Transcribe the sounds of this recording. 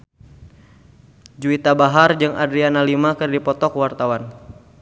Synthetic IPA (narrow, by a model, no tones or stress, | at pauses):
d͡ʒuit̪abaɦard͡ʒɨŋʔadɾianalimakɨrdipɔt̪ɔkwart̪awan